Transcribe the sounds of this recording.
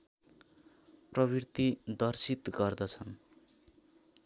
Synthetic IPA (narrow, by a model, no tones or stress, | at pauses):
prʌβirt̪id̪ʌrsit̪ɡʌrd̪ʌt͡sʰʌn